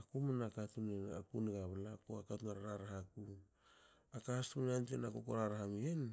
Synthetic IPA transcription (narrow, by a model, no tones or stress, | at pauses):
akumanakatuneakuneɡaβalakoakatunaɾaɾaɾahaku | akahastunantenakokoɾaɾaɦamien